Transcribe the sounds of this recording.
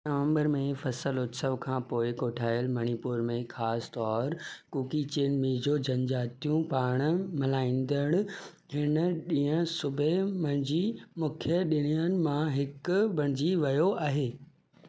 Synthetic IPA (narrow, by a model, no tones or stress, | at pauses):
nɐʋə̃mbəɾmẽfɐsəlʊt̪səʋkʰãːpoːɪkoːʈʰaːɪjəlmɐñipuːɾmẽxaːst̪ɔːɾkuːkit͡ɕeːnmĩd͡ʑoːd͡ʑɐ̃ɲd͡ʑaːt̪ijũpaːɽ̃mɪlaːĩːn̆d̪əɽ̃ | hɪnə̆ɗĩːə̃sʊbʱemɐ̃ɽ̃d͡ʑimʊkʰjəɗɪɽ̤̃ijənɪ̆mãɦɪkbʱɐ̃ɽ̃ɪd͡ʑiʋɐjoaːɦeː